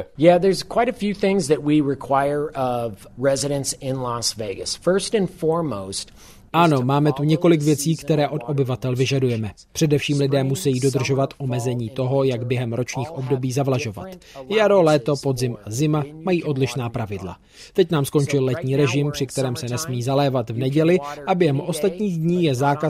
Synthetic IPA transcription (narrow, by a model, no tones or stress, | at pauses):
jæðə˞zkʰw̥aɪɾɨfjʉθɪ̃ŋzðɨt̚wiɹɪkʰw̥aɪə˞ʌvɹɛzɪɾɨ̃nsɪ̃nlɑsveɪɡɨsfɜ˞stɨ̃nfɔɹmoʊst | ʔano̞maːmɛt̪uɲɛko̞lɪkvjɛt͡siːkt̪ɛɾɛːʔo̞tʔo̞bɪvat̪ɛlvɪʒadujɛmɛ | pr̥ɛdɛfʃiːmlɪdɛːmusɛjiːdo̞dr̩ʒo̞vat̪ʔo̞mɛzɛɲiːt̪o̞ɦo̞jaɡbjɛɦɛmɾo̞t͡ʃɲiːxʔo̞bdo̞biːzavlaʒo̞va̰t̪jaɾo̞lɛːt̪o̞po̞dzɪmʔazɪmamajiːʔo̞dlɪʃnaːpɾavɪdla̰ | t̪ɛcnaːmsko̞nt͡ʃɪllɛt̪ɲiːɾɛʒɪmpr̥ɪkt̪ɛɾɛːmsɛnɛsmiːzalɛːvat̪vnɛɟɛlɪʔabjɛɦɛmʔo̞st̪at̪ɲiːɣdɲiːjɛzaːka